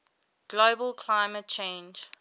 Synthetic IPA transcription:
ɡ̥loʊbəlˠkʰlaɪmət̚t͡ʃʰẽnd͡ʒ

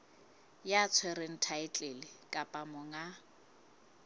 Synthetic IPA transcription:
jat͡sʰwɛɾɪn̩tʰaɪt͡ɬʼelɪkʼapʼamʊŋa

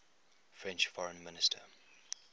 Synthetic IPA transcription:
fɹɛ̃nt͡ʃfɔɹə̃nmɪnɪstʰə̰

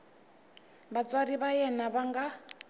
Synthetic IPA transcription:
βat͡sʼwaɾiβajɛnaβaŋɡa

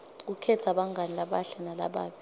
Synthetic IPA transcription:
k̬ukʰɛtʰaɓaŋɡʱanilaɓaɬanala̰ɓaːɓi

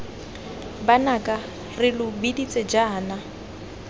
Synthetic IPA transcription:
banakʼa | rɪlʊbidit͡sʼed͡ʒaːna

